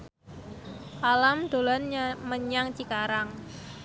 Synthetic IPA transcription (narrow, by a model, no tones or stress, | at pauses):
ʔalamd̪̥o̤lanməɲaŋt͡ʃikaɾaŋ